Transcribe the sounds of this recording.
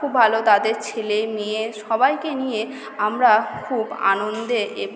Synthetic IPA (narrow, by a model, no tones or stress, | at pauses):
ubːʱalot̪ad̪eɾt͡ɕʰelemieʃɔbajkenije | amɾakʰuba̰nond̪eʔe